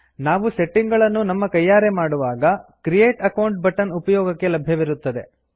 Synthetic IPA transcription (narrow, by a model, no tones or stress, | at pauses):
naːʋuseʈːiŋɡɐɭɐnːunɐmːɐkɐjːaːɾemaːɽuʋaːɡɐkɾijeːʈɐkɐwɳʈ̚bɐʈɐnupɐjɔːɡɐkːe̞lɐbʱjɐʋiɾut̪ːɐd̪e̞̰